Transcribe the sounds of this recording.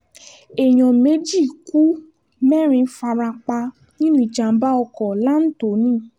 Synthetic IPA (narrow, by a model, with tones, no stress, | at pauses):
e˨j̃ɔ̃˨me˨˦d͡ʒi˦˨ku˦ | mɛ˦˨ɾ̃ĩ˧˦fa˧ɾa˧k͡pa˧ | nĩ˦nũ˦i˨d͡ʒa˨m̩˦ba˦ɔ˧kɔ˨la˦n̩˦to˨˦nĩ˦˨